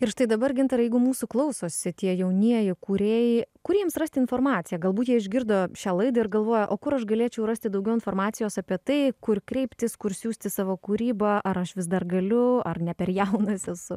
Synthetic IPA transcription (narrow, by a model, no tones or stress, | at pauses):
ɪrʃt̪ɐɪd̪ɐbɐrɡʲɪnt̪ɐɾɐjɛɪɡʊmuːsʊklˠɐʊsoːsʲɪt̪ʲiɛjɛʊnʲiɛjɪkuːɾʲeːjɪkʊɾʲiɛmsrɐsʲt̪ʲɪnfoːrmɑːt̪sʲɪjɛɡɐlˠbuːt̪jiɛɪʒʲɡʲɪrd̪oːʃʲæːlˠɐɪd̪ɐɪrɡɐlˠʋoːjɛʔoːkʊɾɐʃɡɐlʲiɛt͡ʃʲɛʊɾɐsʲt̪ʲɪd̪ɐʊɡʲɛʊɪnfoːɾmɑːtsʲɪjoːsɑpʲiɛt̪ɐɪkʊrkɾʲɛɪpʲt̪ʲɪskʊɾsʲuːsʲt̪ʲɪsɑːʋoːkuːɾʲiːbɐʔɐɾɐʃʋʲɪsd̪ɐrɡɐlʲʊɐrnʲɛpʲɛɾjɛʊnɐsʲɛsʊ